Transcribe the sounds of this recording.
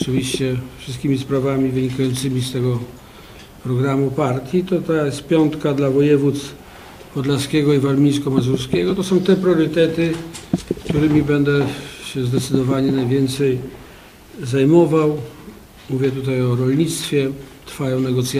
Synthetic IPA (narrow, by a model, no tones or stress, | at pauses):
ɔt͡ʂɨvʲiɕt͡ɕɛfʂɨst̪kʲimʲispɾavamʲivɘɲikajɔnt̪sɘmʲist̪ɛɡɔ | pɾɔɡɾamupaɾt̪ʲjit̪ɔt̪ajɛst̪pʲjɔnt̪kad̪lavɔjɛvut̪s | pɔd̪laskʲɛɡɔivaɾmʲijskɔmazuɾskʲɛɡɔt̪ɔsɔ̃w̃t̪ɛpɾjɔɾɘt̪ɛt̪ɘkt̪uɾɘmʲibɛnd̪ɛɕɛzd̪ɛt̪sɘd̪ɔvaɲɛnajvʲjɛnt̪sɛj | zajmɔvaw | muvʲjɛt̪ut̪ajɔɾɔlɲit̪st̪fʲjɛt̪ɾfajɔ̃w̃nɛɡɔt̪sʲja